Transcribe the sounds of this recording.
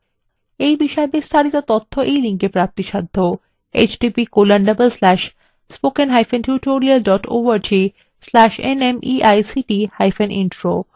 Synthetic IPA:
ejbiʃɔebist̪ʰaɾit̪ot̪ot̪ʰːoʔejliŋkepɾap̚t̪iʃad̪ʱːo | ḛt͡ɕɖipikolaɳɖɐbəlslɛʃ | spokenɦajfenʈʰjuʈoɾialɖɔʈo̰ʋaɾd͡ʑi | slɛʃḛnemiʔajsiʈihajfʰenʔḭnʈɾo

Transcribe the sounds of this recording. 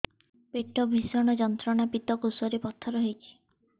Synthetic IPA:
peʈɔbʱisɔɽ̃ɔd͡ʒɔnt̪ɾɔɽ̃apit̪ɔkusɔɾepɔt̪ʰɔɾɔɦejkʰi̥

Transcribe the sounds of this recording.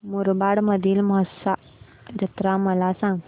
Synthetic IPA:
muɾbaɽməd̪ʱiːlməɦəsa | ɾət̪ɾaməlasãŋɡ

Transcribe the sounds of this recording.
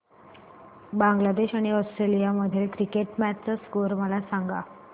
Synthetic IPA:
bãŋɡlad̪eɕaɽ̃iɔsʈɾelijaməd̪ʱjelkɾikeʈmætt͡səskoɾməlasaŋɡa̰

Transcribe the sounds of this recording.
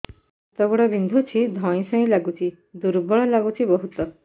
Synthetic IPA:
t̪ɔɡɔɽɔbind̪ʱut͡ʃʰid̪ʱɔ̃ĩsɔ̃ĩlaɡut͡ʃʰi | d̪uɾbɔɭɔlaɡut͡ʃʰibɔɦut̪ɔ

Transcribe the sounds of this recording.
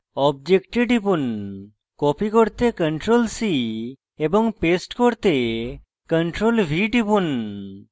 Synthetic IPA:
ɔb̚d͡ʒekʈeɖipun | kɔpikoɾt̪ekəɳʈɾolsi | ebɔŋpesʈkoɾt̪e | kəɳʈɾolbʱiɖipun

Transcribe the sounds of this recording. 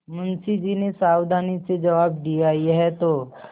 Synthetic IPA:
mʊnsid͡ʒinesaːwd̪ʱaːnised͡ʒɐʋaːb̚d̪ijajeɦɛt̪oː

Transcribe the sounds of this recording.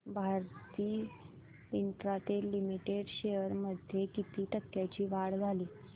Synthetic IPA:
bʱaɾt̪iː | int̪ɾat̪elimiʈeɽɕeəɾməd̪ʱjekit̪iːʈəkːjat͡ɕiːʋaɽd͡zʱaliː

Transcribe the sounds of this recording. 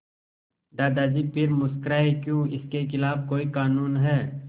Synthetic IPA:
d̪aːd̪aːd͡ʒipɪɾmʊskɾaːekjũːɪskexɪlaːbkoːikaːnuːnɦɛː

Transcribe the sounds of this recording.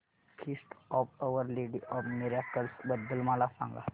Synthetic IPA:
kʰɪsʈɔːʋəʋəɾleːɖiʔɔːbmɪɾakəlsbəd̪ːəlmaːlasã̰ːŋɡa̰

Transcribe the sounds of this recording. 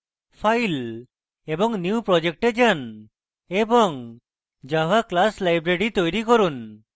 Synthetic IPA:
fʰajl | ebɔŋniupɾɔd͡ʒek̚ʈed͡ʒan | ebɔŋ | d͡ʒaɦaklaslajbɾeɽit̪ojɾikoɾun

